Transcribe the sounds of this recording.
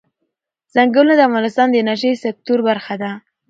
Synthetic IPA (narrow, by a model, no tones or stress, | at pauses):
z̥aŋɡəwlnad̪əavɣɑnɪst̪ɑnd̪ənaʃ̬əjsɪk̚t̪uɾbaɾxad̪a